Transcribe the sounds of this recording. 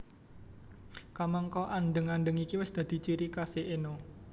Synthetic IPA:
kamaŋkɔʔanɖəŋanɖəŋikiwɪsd̪̥ä̤d̪̥i̤t͡ʃiɾikaseʔenɔ

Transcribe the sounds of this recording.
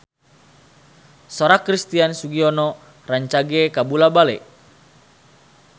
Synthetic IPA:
soɾakɾist̪iansuɡiɔnɔ | raɲt͡ʃaɡɛkabulabalɛ̰ʔ

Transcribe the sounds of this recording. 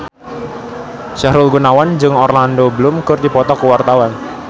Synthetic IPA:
ʃahɾʊlɡunawand͡ʒɨŋɔrlandobəlʊmkɨrd̪ipɔt̪ɔkəwart̪awan

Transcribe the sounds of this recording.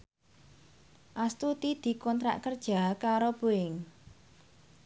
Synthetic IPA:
ʔast̪ut̪id̪̥i̤kɔnt̪ɾa̰ʔkərd̥ʒ̥a̤kaɾobuɪŋ

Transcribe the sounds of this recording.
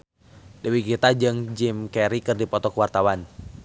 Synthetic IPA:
dəwikit̪ad͡ʒɨŋd͡ʒimkɛɾikɨrdipɔt̪ɔkwart̪awan

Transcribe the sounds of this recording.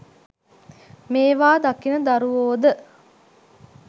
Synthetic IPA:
meːʋaːd̪akinəd̪aɾuʋoːd̪ə

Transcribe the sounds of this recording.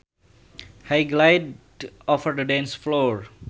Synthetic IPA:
haɪɡlaɪɖ | ɔfəɾd̪əɖɛ̃nsfloːɾ

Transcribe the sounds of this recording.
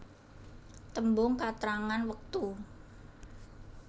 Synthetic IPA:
t̪əmbʊŋkat̪ɾaŋanwək̚t̪u

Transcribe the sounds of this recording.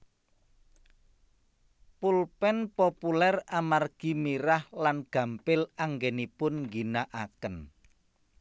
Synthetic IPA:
pulpɛnpopulɛramarɡ̥imiɾahlanɡ̥ä̤mpɪlaŋɡɛnipʊnŋɡinaʔakən

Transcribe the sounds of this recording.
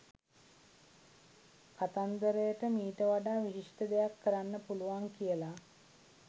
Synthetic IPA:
kat̪and̪əɾəjəʈəmiːʈəʋaɖaːʋiʃiʂʈəd̪ejakːəɾanːəpuluʋaŋkijəla

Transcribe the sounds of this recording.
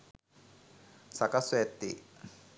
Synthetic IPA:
sakasuet̪ːi

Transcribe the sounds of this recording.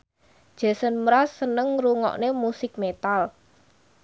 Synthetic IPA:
d̥ʒ̥a̤sənmɾasːənəŋruŋɔ̰ʔnemusɪk̚met̪al

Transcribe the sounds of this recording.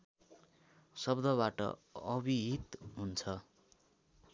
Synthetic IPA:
sʌbd̪ʱʌβaʈʌ̰ʌbiɦit̪ɦunt͡sʰʌ

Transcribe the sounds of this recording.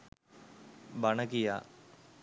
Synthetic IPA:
baɳəkija̰ː

